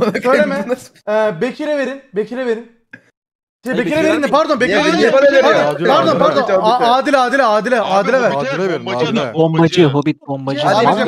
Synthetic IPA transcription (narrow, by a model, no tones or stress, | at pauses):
søjlʲemɛːbecʰiɾɛve̞ɾinbecʰiɾɛveɾin | t̪ibecʰiɾɛveɾind̪ipʰaɾd̪onbecʰiɾɛveɾid̪ɛnpʰaɾd̪onpaɾd̪o̞npʰaɾd̪onaaːd̪ilʲaːd̪ilʲɛaːd̪ilʲɛʔaːd̪ilʲɛvæɾobibombad͡ʒɯɦobit̪̚bombad͡ʒɯa